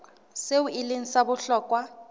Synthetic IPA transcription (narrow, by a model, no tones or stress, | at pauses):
seuʔɪleŋ̩sabʊɬɔːkʼwa